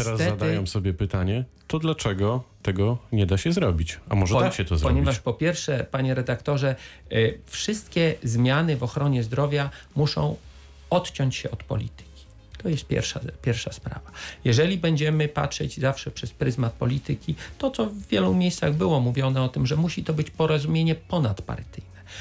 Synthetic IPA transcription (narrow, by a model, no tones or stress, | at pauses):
t̪ɛɾazːad̪jɛmsɔbʲjɛpɘt̪aɲɛt̪ɔd̪lat͡ʂɛɡɔt̪ɛɡɔɲɛd̪aɕɛzɾɔbʲit͡ɕamɔʐɛd̪aɕɛt̪ɔzɾɔɲɛvaʂpɔpʲjɛɾfʂɛpaɲɛɾɛd̪akt̪ɔʐɛ | fʂɘst̪kʲɛzmʲjanɘvɔxɾɔɲɛzd̪ɾɔvʲjamuʂɔ̰̃w̃ | ɔt̪t͡ɕɔɲt͡ɕɕɛ̰ɔt̪pɔ̰lʲḭt̪ɘ̥kʲi̥ | t̪ɔjɛst̪̚pʲjɛ̰ɾfʂa̰pʲjɛɾfʂaspɾa̰vajɛʐɛlʲibɛɲd͡ʑɛmɘpa̰tʂɛ̰d͡ʑzafʂɛpʂɛspɾɘzmat̪̚pɔlʲit̪ɘkʲit̪ɔt̪sɔvːʲjɛlumʲjejst̪saɣbɘwɔmuvʲjɔnɛɔt̪ɘmʐɛmuɕit̪ɔbɘt͡ɕpɔɾɔzumʲjeɲɛpɔnat̪pa̰ɾt̪ɘjnɛ